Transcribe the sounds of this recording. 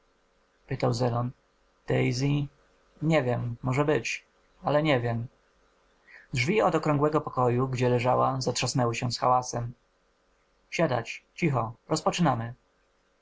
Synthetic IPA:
pɘt̪awzɛlɔn | t̪ɛjzi | ɲɛvʲjɛmːɔʐɛbɘt͡ɕ | alɛɲɛvʲjɛm | dʐvʲiɔd̪ɔkɾɔ̃ŋɡwɛɡɔpɔkɔjuɡd͡ʑɛlɛʐawazatʂasnɛwɘɕɛsxawasɛm | ɕad̪a̰t͡ɕt͡ɕixɔɾɔspɔt͡ʂɘnamɘ

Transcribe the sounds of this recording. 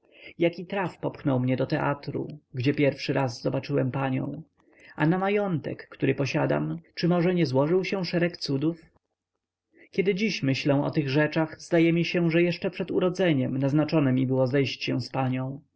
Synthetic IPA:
jakʲit̪ɾafpɔpxnɔwmɲɛd̪ɔt̪ɛʔat̪ɾṵɡd͡ʑɛpʲjɛɾfʂɘɾʔazzɔbat͡ʂɘwɛmpaɲɔ̰̃w̃ | anamajɔnt̪ɛ̰kːt̪uɾɘpɔɕad̪a̰mt͡ʂɘmɔʐɛɲɛzwɔʐɘwɕɛ̃ʂɛɾɛkt̪sud̪uf | kʲɛd̪ɘd͡ʑiɕmɘɕlɛ̃w̃ɔ̰t̪ɘɣʐɛt͡ʂaɣzd̪ajɛmʲiɕɛʐɛjɛʂt͡ʂɛpʂɛd̪uɾɔd̪zɛɲɛmnaznat͡ʂɔnɛmʲibɘwɔzɛjɕt͡ɕɕɛwspaɲɔ̃w̃

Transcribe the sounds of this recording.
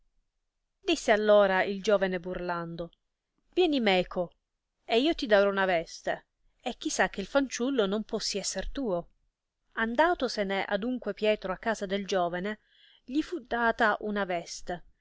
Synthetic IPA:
d̪isːealːoːɾaild͡ʒoːvaneburland̪o | vjɛːnimɛːkʰo | eiːot̪id̪aɾɔunavɛst̪e | ek̟ːisːak̟ːeilfant͡ʃulːonompɔsːiɛsːert̪uːo | and̪aːt̪oseneʔa̰d̪uŋkwepjɛːt̪ɾoakːaːzad̪eld͡ʒoːvane | ʎifud̪aːt̪aʔunavɛst̪e

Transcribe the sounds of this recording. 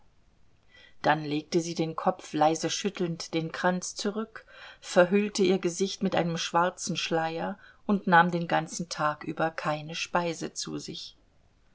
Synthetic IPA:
d̥anleːk̚təziːdeːnkʰɔpp͡flaɪzəʃʏtʰl̩ntd̥eːnkʁ̥ant͡st͡suʁʏkfɛɐɦʏltəiːɐɡəzɪçtmɪtʔa̰ɪnəmʃv̥aɐt͡sn̩ʃlaɪɐʔʊntnaːmdeːnɡant͡sn̩tʰaːkʔy̰ːbɐkʰaɪnəʃpaɪzət͡sṵːzɪç

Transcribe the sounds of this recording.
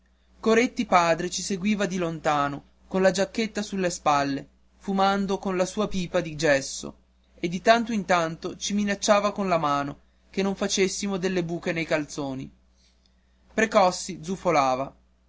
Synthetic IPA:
koɾet̪ːipaːd̪ɾet͡ʃiseɡwiːvad̪ilont̪aːno | konlad͡ʒakːet̪ːasulːespalːe | fumand̪okonlasuːapiːpad̪id͡ʒɛsːo̰ | ed̪ːit̪ant̪oint̪ant̪ot͡ʃiminat͡ʃːaːvakonlamaːno | kenːoɱfat͡ʃesːimod̪elːebuːkenejkalt̪soːnḭ | pɾekɔsːid̪zufolaːva

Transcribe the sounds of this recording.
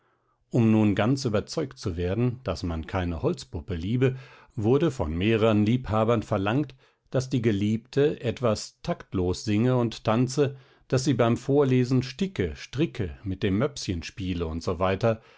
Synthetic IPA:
ʔʊmnuːnɡant͡syːbɐt͡sɔʏktt͡suveːɐdn̩d̥asmankʰaɪnəhɔlt͡spʊpəliːbə | vʊɐdəfɔ̰nmeːʁəʁənliːphaːbɐnfɛɐlaŋkt | d̥asd̥iːɡəliːptʰəʔɛtv̥astʰaktloːsz̥ɪŋəʊnttʰant͡sə | d̥asz̥iːbaɪmfoːɐleːzn̩ʃtɪkəʃtʁ̥ɪkʰəmɪt̚d̥eːmːœpsçənʃpiːləʊntz̥ovaɪtɐ

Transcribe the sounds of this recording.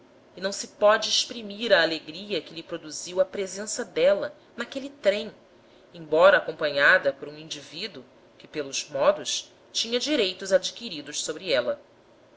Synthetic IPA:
inɐ̃w̃sɪpɔd͡ʒɪːʃpɾimiɾɐːleɡɾiɐkɪlipɾod̪uziwɐpɾezẽsɐd̪ɛlɐ | nakelit̪ɾẽj̃ | ẽbɔɾɐːkõmpɐ̃ɲad̪ɐpoɾũĩd͡ʒivid̪u | kɪ̥pelʊz̥mɔd̪ʊʃ | t͡ʃĩɲɐd͡ʒiɾejt̪ʊzad͡ʒikiɾid̪ʊʃsobɾiɛlɐ

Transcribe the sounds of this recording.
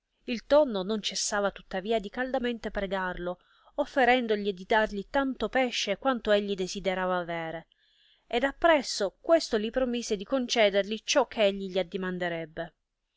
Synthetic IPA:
ilt̪onːonont͡ʃesːaːvat̪u̥t̪ːaviːad̪ikald̪ament̪epɾeɡarlo | ofːeɾɛnd̪oʎid̪id̪arʎit̪ant̪opɛʃːekwant̪oeʎːid̪ezid̪eɾaːvaːvɛːɾe | ed̪apːɾɛsːokwest̪olipɾomized̪ikont͡ʃɛːd̪erʎit͡ʃɔkʰːeeʎːiʎiad̪ːimand̪eɾɛbːe

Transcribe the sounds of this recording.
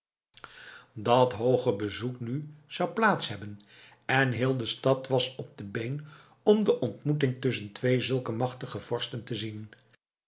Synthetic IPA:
dɑtɦowχəbəzuknyz̥ɑwplaːtsɦɛbən | ɛnɦɪːlˠdəstɑtʋɑsɔb̚dəbejn | ɔmdəʔɔntmutɪŋtɵs̬əntʋejzɵlˠkəmɑχtəχəv̥ɔɹstəntəzin

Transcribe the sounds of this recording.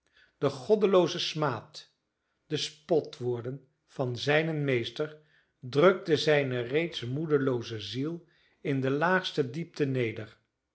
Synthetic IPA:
d̥əχɔdəlowzəsmaːt | d̥əspɔtʋʊːɹdən | v̥ɑnzɛjnənmejstəɹ | drøɡ̚dəzɛjnərejtsmudəlowzəzilˠ | ɪndəlaːχstədip̚tənejdər

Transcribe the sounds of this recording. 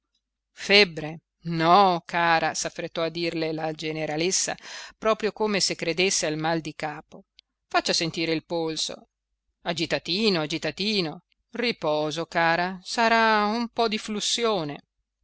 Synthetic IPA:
fɛbːɾe | nɔkʰaːɾasafːɾet̪ːɔad̪ːiːrlelad͡ʒeneɾalesːa̰pɾɔːpɾjokoːmesekːɾed̪esːealmald̪ikaːpo | fat͡ʃːasent̪iːɾeilpolso̰ | ad͡ʒit̪at̪iːnoad͡ʒit̪at̪iːno | ripɔːzokaːɾasaɾaumpɔd̪iflusːjoːne

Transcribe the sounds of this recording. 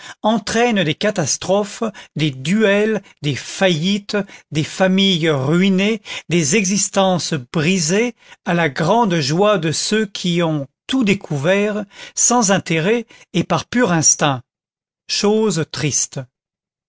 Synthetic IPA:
ɑ̃t̪χɛnd̪ekat̪ast̪χɔfd̪ed̪yɛld̪efajit̪d̪efamijʁɥined̪ezɛɡzist̪ɑ̃sbʁizealaɡʁɑ̃d̪ʒwad̪əsøkʲʰiɔ̃t̪ud̪ekʰuvɛʁsɑ̃zɛ̃t̪eʁɛː | paʁpyʁɛ̃st̪ɛ̃ | ʃozt̪χist̪

